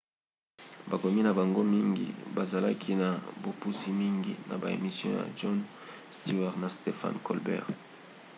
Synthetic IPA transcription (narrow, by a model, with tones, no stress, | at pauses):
ba˨ko˨mi˦na˨ba˨ŋɡo˦mi˦ŋɡḭ˨ba˨za˨la˦kʰi˦na˨bo˨pu˦si˦mi˦ŋɡḭ˦na̰˨ba˨ḛ˨mi˨sjɔ̃˦ja̰˨ʒɔ˦n | sti˦ɛ˨ʁna˨ste˨fa̰˦nkɔ̰˨lbɛ̰˦ʁ